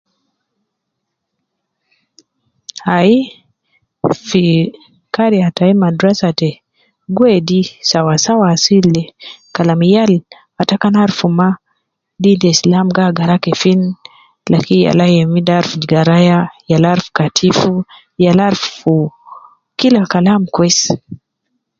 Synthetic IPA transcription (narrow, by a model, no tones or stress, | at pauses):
hai | fi | kaɾiataimandɾasatɛ | ɡwɛdisawasawaːsilɛkalamijal | atakanaɾfuma | didɛslamɡaɡaɾakɛfin | lakija̰lajɛmidaɾfud͡ʒiɡaɾajajalaɾfu̥katʰifu | jalaɾfu | kilakalamkwɛs